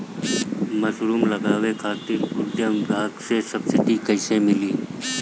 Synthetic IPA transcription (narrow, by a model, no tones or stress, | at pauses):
mɐsɾuːmlɐɡaːwekʰaːt̪ipud̪jəmbʱaːɡsesɐbsɪʈikɐɪsẽmɪliː